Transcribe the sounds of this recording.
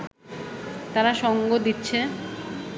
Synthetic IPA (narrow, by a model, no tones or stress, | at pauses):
t̪aɾaʃɔŋɡod̪itːɕʰe